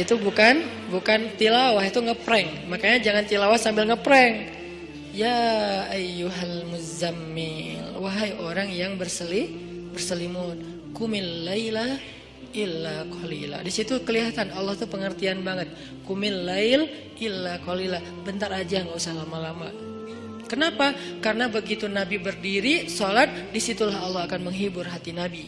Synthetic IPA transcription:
it̪ubukan | bukant̪ilawaɦit̪uŋəpɾɛŋmakaɲad͡ʒaŋant̪ilawahsambɪlŋəpɾɛŋ | jaʔajuɦalmuzamːilwaɦajoɾaŋjaŋbərsəli | bərsəlimʊn | kumɪnlajla | ʔilːakʰɔlḭla̰disit̪ukəliɦat̪anɑlːɑht̪upəŋərt̪ianbaŋət̪̚ | kumɪnlaɪl | ʔɪlːakɔlila | bənt̪aɾad͡ʒaŋɡausahlamalama | kənapakaɾənabəɡit̪unabibərdiɾisɔlat̪̚disit̪ulaɦɑlːɑhakanməŋɦibʊrɦat̪inabi

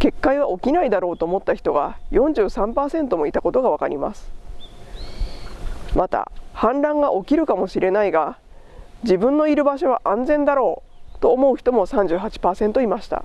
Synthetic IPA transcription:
ke̞kːaiβ̞aʔo̞kʲinaid̪aɾo̞ːt̪oːmo̞t̪ːaçi̥t̪o̞ɡa̰jõ̞ɲ̟d͡ʑɨːsãmpaːsẽ̞nt̪o̞mo̞it̪ako̞t̪o̞ɡaβ̞aka̰ɾʲʔḭma̰sɨ̥ | mat̪a̰hãnɾãŋɡaʔo̞kʲiɾɯ̟kamo̞ɕiɾʔe̞naiɡa | d͡ʑibɯ̟̃nːo̞iɾɯ̟baɕo̞β̞a̰ʔãnzẽ̞nd̪aɾo̞ːt̪oːmo̞ɯ̟çi̥t̪o̞mo̞sãɲ̟d͡ʑɨːɦat͡ɕi̥paːsẽ̞nt̪o̞imaɕi̥t̪a̰

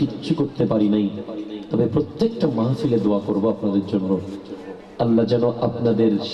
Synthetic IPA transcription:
itːɕʰukoɾt̪epaɾinajt̪ɔbepɾot̪ːekʈamaɦfiled̪oakoɾboapnad̪eɾd͡ʑonːo | ɐlːad͡ʑɛnoʔapnad̪eɾ

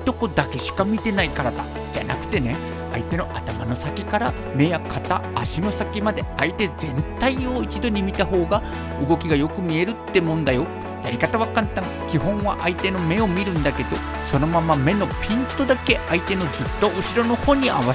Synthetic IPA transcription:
t̪o̞ko̞d̪ake̞ɕi̥kamʲit̪e̞naikaɾad̪a̰ | d͡ʑa̰na̰kɯ̟̥t̪e̞ne̞ | a̰it̪e̞no̞ʔat̪amanosakʲikaɾa | me̞jakʰat̪aːɕino̞sakʲimad̪e̞ait̪e̞zẽ̞nt̪aio̞it͡ɕid̪o̞ɲ̟imʲit̪aɦo̞ːɡa | ɯɡo̞kʲiɡajo̞kɯ̟mʲie̞ɾɯ̟t̪ːe̞mõ̞nd̪ajo̞ | jaɾʲikat̪aβakat̪t̪ːãŋ | kʲiɦõ̞ɰ̃βaʔait̪e̞no̞me̞o̞mʲiɾɯ̟̃nd̪ake̞d̪o̞ | so̞no̞mamame̞no̞pʲĩnt̪o̞d̪ake̞ait̪e̞no̞zɨt̪ːo̞ʔɯ̟ɕiɾo̞no̞ho̞ːɲ̟ia̰βa

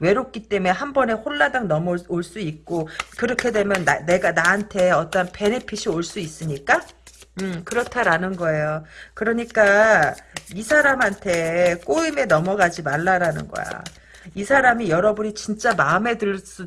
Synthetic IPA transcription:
we̞ɾop̚k͈it͈e̞mue̞ɦambʌne̞hoɭːadaŋnʌmʌoɭs͈uik̚k͈okɯɾʌkʰe̞dwe̞mjʌnːaːe̞ɡanaantʰe̞ʌt͈ʌnpe̞nepʰiɕʰioɭs͈uis͈ɯɲik͈aɯkɯɾʌtʰaɾanɯnɡʌe̞jokɯɾʌɲik͈a | isʰaɾamɦantʰe̞k͈oime̞nʌmʌɡad͡ʑimaɭːaɾanɯ̰nɡʌ̰ja̰ | isʰaɾamijʌɾʌbuɲit͡ɕint͡ɕ͈amaɯme̞dɯɭs͈u

